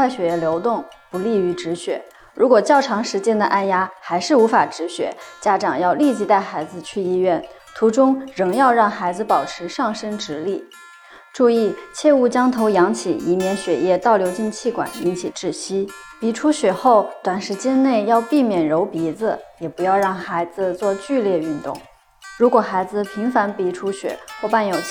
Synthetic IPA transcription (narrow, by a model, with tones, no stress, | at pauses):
a˥˩ɪɕɥɛ˨˩jɛ˥˩ljo˧˥ʊt̪ʊ˥˩ŋpu˧˥li˥˩y˧˥ʈ͡ʂɻ̩˧˥ɕɥɛ̰˨˩˦ | ɻu˧˥kwɔ˨˩t͡ɕjɑ˥˩ʊʈ͡ʂʰɑ˧˥ŋʂɻ̩˧˥t͡ɕjɛ˥nd̪ə˨ʔa˥˧nja˥xa˧˥ɪʂɻ̩˥˩u˧˥fa˨˩ʈ͡ʂɻ̩˧˥ɕɥɛ̰˨˩˦t͡ɕja˥ʈ͡ʂɑ˨˩ŋjɑ˥˧ʊli˥˩t͡ɕi˧˥t̪a˥˩ɪxa˧˥ɪd͡zɹ̩˧t͡ɕʰy˥˧i˥˧ɥɛ˥˩n | t̪ʰu˧˥ʈ͡ʂʊ˥ŋɻɤ˧˥ŋjɑ˥˧ʊɻɑ˥˩ŋxa˧˥ɪd͡zɹ̩˧pɑ˨˩ʊʈ͡ʂʰɻ̩˧˥ʂɑ˥˩ŋʂə˥ŋʈ͡ʂɻ̩˧˥li˥˩ | ʈ͡ʂu˥˧i˥˩t͡ɕʰjɛ˥˧u˥˩t͡ɕjɑ˥ŋt̪ʰo˧˥ʊjɑ˧˥ŋt͡ɕʰḭ˨˩i˧˥mjɛ˧˥nɕɥɛ˨˩jɛ˥˧t̪ɑ˥˩ʊljo˧˥ʊt͡ɕi˥˧ŋt͡ɕʰi˥˩kwa̰˨˩ni˧˥ŋt͡ɕʰi˨˩ʈ͡ʂɻ̩˥˩ɕi˥ | pi˧˥ʈ͡ʂʰu˥ɕɥɛ˨˩xo˥˩ʊt̪wa˨˩nʂɻ̩˧˥t͡ɕjɛ˥nne˥˩ɪjɑ˥˧ʊpi˥˩mjɛ˨˩nɻo˧˥ʊpi˧˥d͡z̩˧jɛ˨˩pu˧˥jɑ˥˧ʊɻɑ˥˩ŋxa˧˥ɪd͡zɹ̩˧t͡swɔ˥˧t͡ɕy˥˧ljɛ˥˧y˥˧nt̪ʊ̰˥˩ŋ | ɻu˧˥kwɔ˨˩xa˧˥ɪd͡zɹ̩˧˨pʰi˧˥ŋfa˧˥npi˧˥ʈ͡ʂʰu˥ɕɥɛ̰˨˩˦xwɔ˥˧pa˥˩njo˨˩ʊ